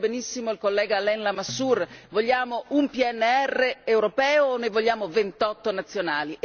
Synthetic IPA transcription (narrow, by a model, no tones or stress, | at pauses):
benisːimoilkolːɛːɡalɛnlamasːurvoʎːaːmoʔumpiɛnːeɛrːeːwɾopɛːoːnːojvoʎːaːmovent̪ɔt̪ːonat̪sːjonaːli